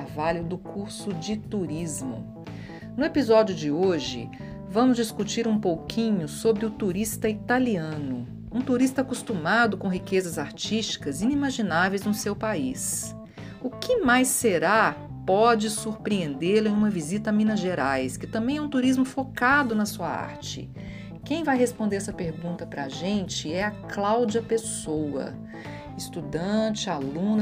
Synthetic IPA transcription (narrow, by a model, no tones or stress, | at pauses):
aɾvalʊd̪ʊkʰuɾsʊd͡ʒɪt̪uɾizmʊ̰ | nʊepizɔd͡ʒjʊd͡ʒɪoʒɪ̰ | vɐ̃mʊzd͡ʒiskut͡ʃiɾũpowkʰĩɲʊsobɾɪʊt̪uɾist̪ɐit̪aliɐ̃nʊ̰ | ũt̪uɾist̪ɐakust̪umad̪ʊkõɦikezɐzaɾt͡ʃist͡ʃi̥kɐzĩnimaʒinavejznʊsewpais | ʊkɪmajseɾa | pɔd͡ʒɪsuɾpɾiẽnd̪elʊẽj̃ũmɐvizit̪ɐamĩnɐʒeɾajskɪt̪ɐ̃mbẽj̃ɛũt̪uɾizmʊfokad̪ʊnɐsuɐ̰a̰ɾt͡ʃɪ̰ | kẽj̃vajɦespõnd̪eɾɛsɐpeɾɡũnt̪ɐpɾɐʒẽnt͡ʃɪɛɐklawd͡ʒiɐpesowɐ̰ | ɪst̪ud̪ɐ̃t͡ʃɪalũnɐ